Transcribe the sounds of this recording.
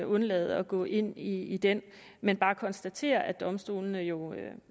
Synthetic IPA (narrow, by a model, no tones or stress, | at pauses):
ɔ̽nlɛ̰ːð̞̩ˠɒ̽ɡ̥ɔ̰̽ːʔe̝n̰iid̥en | menb̥ɑ̈ːkʰɒ̽nsd̥æt͡sʰe̝̰ːɐʔæd̥ɒ̽msd̥o̝̰ːln̩əjo̝